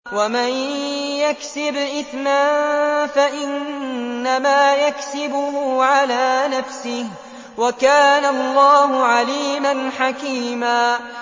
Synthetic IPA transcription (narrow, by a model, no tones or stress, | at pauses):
wamanjaksɪbʔɪθmanfaʔɪnːamaːjaksɪbʊhʊʕalaːnafsɪh | wakaːnalˤːɑːhʊʕaliːmanħakiːmaː